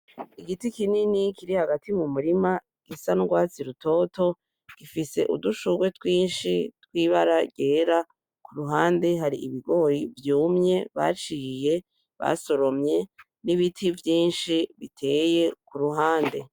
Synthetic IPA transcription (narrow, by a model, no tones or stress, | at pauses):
iɡitikininikiɾihaɡatʰimumuɾima | ɡ̥isanuɡwaːt͡siɾuto̞to̞ | ɡ̥ifise̞̰ʔṵduʃuɡwe̞twiːnʃitwiːβaɾaɟe̞ːɾa | kuɾuɦaːnde̞ɦaɾiiβiɡo̞ːjivjuːmɲe̞βa̰t͡ʃiːje̞ | βa̰so̞ɾo̞mɲe̞ | niβitʰivjiːnʃiβitʰe̞ːje̞kuɾuɦaːnde̞